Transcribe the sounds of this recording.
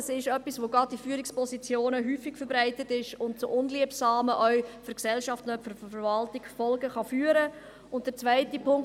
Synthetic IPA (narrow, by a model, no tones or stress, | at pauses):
sɪʃœpːisʋoɡ̥ɑd̚d̥ifyːəɾɪkspʰɔsit͡sjoːnəɦyːfɪkfəɾbɾaɪtətɪʃʊnt̚t͡sʊʔʊnliəpsɑːməʔœʏfʏɾksɛlʃɑftnœtfʏɾffɛɾvɑltɪkfɔlɡəχɑfyːəɾə | ʊnt̚d̥əɾt͡svæɪtipʰʊŋk